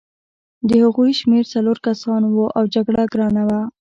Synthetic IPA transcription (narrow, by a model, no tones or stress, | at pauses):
d̪əhaɣujʃmeɾt͡saloɾkasɑnwuʔawd͡ʒaɡɽaɡɾɑnawa